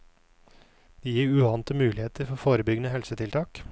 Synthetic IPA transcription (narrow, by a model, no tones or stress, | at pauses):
d̪̥iːjiːɾʉːɑːnt̪əmʉːlɪheːt̪əɾfɔofoːɾəbʏɡnəhɛlsət̪ʰɪlt̪ʰɑːk